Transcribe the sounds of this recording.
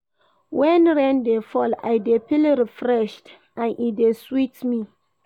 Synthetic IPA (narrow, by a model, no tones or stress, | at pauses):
wɛ̃nɹɛ̃ndefɔla̰jdepiliɾifɹɛʃt | ãnʔideswitmi